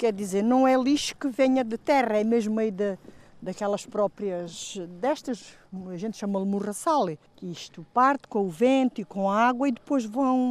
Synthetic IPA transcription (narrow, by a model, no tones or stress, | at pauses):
kɛɾd̪izeɾnɐ̃w̃ɛlˠiʃu̥kɨveɲɐd̪ɨt̪ɛʁɐɛmeʒmuɐiðɐd̪ɐkɛlˠɐʃpɾɔpɾiɐʒd̪ɛʃt̪ɐʃ | ɐʒẽnt̪ʃamɐlˠmuʁɐsalˠ | kiʃt̪upaɾt̪kõuvẽnt̪uikõɐaɣwɐiðɨpojʒvɐ̃w̃